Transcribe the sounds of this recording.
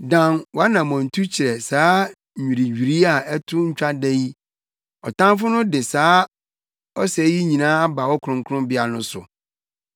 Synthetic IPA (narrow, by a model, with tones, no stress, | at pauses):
dã˨nwɔ˨˦a˦nã˨mɔ̃˨n̩˨tʰu˦t͡ɕʰɪ˨ɾɛ˨saː˨˦˨ | ĩ˨ɾi˨ɥᶣi˨ɾi˦a˨ɛ˦tʰʊ˦ɲ̩˦t͡ɕᶣa˦dɛ˦ji˦ | ɔ˨tʰã˦fʊ˦nʊ̃˦dɪ˨saː˦ | ɔ˦sɛ˨˦ji˦ɲĩ˨nãː˦a˦ba˨wɔ˦kʰʊ˨ɾʊ̃˦ŋkʰʊ̃˦mbɪ˦a˨nʊ̃˦sʊ̰˨